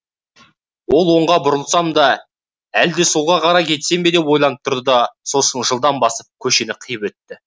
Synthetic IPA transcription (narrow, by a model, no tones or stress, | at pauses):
wo̞lˠwo̞ɴʁɑbʊɾəlˠsɑmd̪ɑ | æld̪esulˠʁɑqʰɑɾɑkʲʰe̞t̪se̞mbe̞d̪e̞pwo̞jlˠɑnəp̚t̪ʰʊɾd̪əd̪ɑso̞sənʒəlˠd̪ɑnbɑsəp̚kʲʰɵʃe̞nɪqʰəjəpɵt̪ːɪ